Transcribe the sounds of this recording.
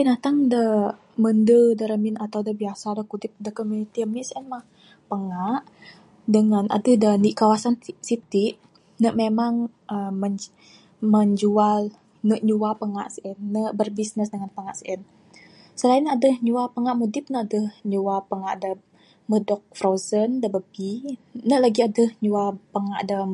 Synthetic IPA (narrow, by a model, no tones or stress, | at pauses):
pinat̪aŋdə | məndədəɾəmɪnat̪awdəbiasadəkudɪp̚dəkomjunit̪iəmnisəʔɛnmah | pəŋaʔ | dəŋanʔa̰dəhdəniʔkawasansit̪iʔ | nəʔmemaŋ | ʔəəɲ | məɲd͡ʒual | nəʔɲuapəŋaʔsʔɛnːəʔbərbisnəsdəŋanpəŋaʔsʔən | səlaɪnadəhɲuapəŋaʔmudɪp̚nəadəhɲuapəŋaʔda | mədɔk̚fɾozəndabəbinəlaɡiadəhɲuapəŋaʔda